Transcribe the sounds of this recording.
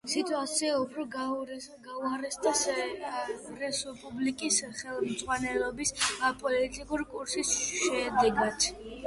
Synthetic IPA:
sit̪ʼuat̪siaupʰɾɔɡɡauaɾɛsd̪as | ɾɛsɔpʼublikʼisχɛlˠmd̪sʼʁwanɛlɔbispʼɔlit̪ʼikʼuɾikʼuɾsisʃɛd̪ɛɡat̪

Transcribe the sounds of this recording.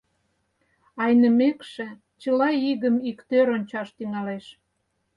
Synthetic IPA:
ɑjnəmekʃĕ | t͡ɕəlɑiɣəmikt̪øɾonʲt͡ɕɑʃt̪yŋɑleʃ

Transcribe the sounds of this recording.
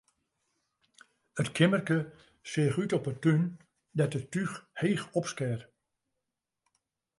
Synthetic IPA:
ətkʰɪmərkə | sɪəxytɔpətyn | dɛtətyxheːxɔpskɛr

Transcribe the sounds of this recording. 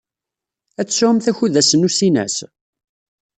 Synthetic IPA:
æt͡sːsʊʕəmθæçuðæsənusinæ̰s

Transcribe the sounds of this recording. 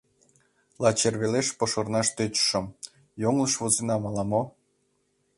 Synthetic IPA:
lɑt͡ɕerβeleʃpŏʃŏrnɑʃt̪øt͡ɕʃə̆m | joŋlə̆ʃβozenɑmɑlˠɑmo

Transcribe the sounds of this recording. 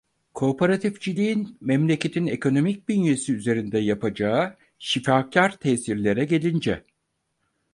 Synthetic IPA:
kʰo̞pʰaɾat̪ʰifd͡ʒilʲiinmɛmlʲe̞cʰe̞t̪ʰine̞kʰo̞no̞mic̚d̪ynje̞siyze̞ɾind̪ɛjapad͡ʒaːɯ | ʃifacʰaɾt̪ʰɛsiɾlʲe̞ɾɛɟe̞lʲind͡ʒɛ

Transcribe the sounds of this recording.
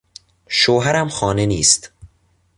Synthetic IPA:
ʃoːɦæɾæmxɒːneniːst̪

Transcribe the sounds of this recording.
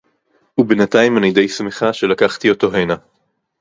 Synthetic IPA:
ubenataimanijde̞jsmeχaʃe̞lakaχt̪io̞to̞ɦena

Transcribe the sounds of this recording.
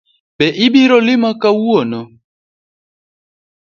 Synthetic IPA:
bɛʔibiɾɔlimakawuɔnɔ

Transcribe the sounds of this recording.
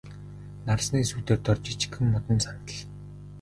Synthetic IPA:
narsniːsut̪eːrt̪ɔrt͡ɕit͡ɕ̆kɘ̆mːɔt̪ɞ̆nsant̪ə̆ɮ

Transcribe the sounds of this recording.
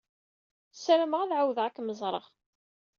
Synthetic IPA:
sæɾəməʁaðʕawðʁækːməzˤɾˤə̰ʁ

